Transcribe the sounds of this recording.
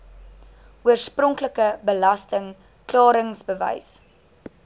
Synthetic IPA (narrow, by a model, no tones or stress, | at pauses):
uərsprɔŋkləkəbəlɐstəŋ | klɑːɾəŋsbəvə̰js